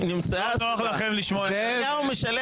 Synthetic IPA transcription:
nimt͡saaoaχlaχemliʃmo | aumeʃale

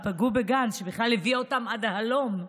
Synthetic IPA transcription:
paɡubeɡanʃebiχlalhevio̞tamad̪ahalo̞m

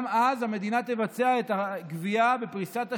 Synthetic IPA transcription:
mazhame̞d̪inat̪evat͡se̞aet̪aɡviabe̞pʁisat̪a

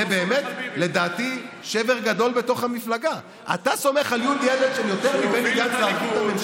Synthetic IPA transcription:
ebeːmet̪le̞d̪aːt̪i | ʃe̞ve̞ʁɡad̪o̞lbe̞to̞χhamiflaɡa | ʔa̰t̪aso̞me̞χaljund̪jedetʃenjo̞t̪e̞ʁmibenid̪adveaʁɡut̪amem

